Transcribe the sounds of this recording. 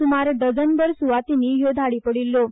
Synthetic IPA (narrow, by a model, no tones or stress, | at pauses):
umaɾɖ̪əd͡zənbəɾsuʋat̪inijod̪ʱaɽipəɽilːo